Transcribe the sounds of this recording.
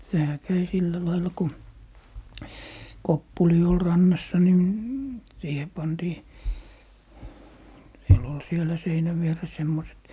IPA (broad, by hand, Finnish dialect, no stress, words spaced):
sehæ kæi silːæ lɑilːɑ ku kopːuli ol rɑnːɑsːɑ ni siːhe pɑntiː siel ol sielæ seinæʋ ʋieres semːoset